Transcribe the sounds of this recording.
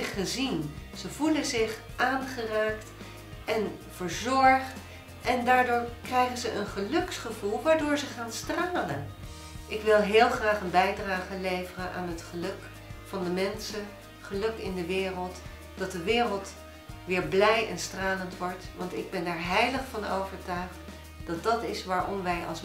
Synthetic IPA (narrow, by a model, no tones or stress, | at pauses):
χəzinz̥əvuləzɪχ | ʔaːnχəraːkt | ʔɛn | vəɹzɔɹχt | ʔɛndaːɹdʊːɹkrɛjχənzəʔənχəlɵksχəvulˠʋaːɹdʊːɹzəχaːnstraːlən | ʔɪkʋɪlˠɦɪːlˠχraːχənbɛjdraːχəlejvərənʔa̰ːnɦətχəlɵk | fɑndəmɛnsən | χəlɵkɪndəʋɪːrəlˠt | d̥ɑt̚dəʋɪːrəlˠt | ʋɪːɹblɛjɛ̰nstraːləntʋɔɹtʋɑntɪɡ̚bɛnɛɹɦɛjləχfɑno̰wvəɹtœɥχt | d̥ɑt̚dɑtɪsʋaːɹʔɔmʋɛjɑ̰lˠs